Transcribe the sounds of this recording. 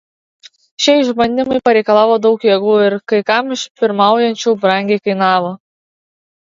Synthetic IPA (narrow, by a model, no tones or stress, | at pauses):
ʃʲɛɪʒbɐnʲd̪ʲɪmɐɪpɐɾʲɛɪkɐlˠɑːʋoːd̪ɒʊkjɛɡuːɪɾkɐɪkɐmɪʃpʲɪɾmɑˑʊjɛnʲt͡ʃʲuːbɾɐŋʲɡʲɛɪkɐɪnɑːʋoː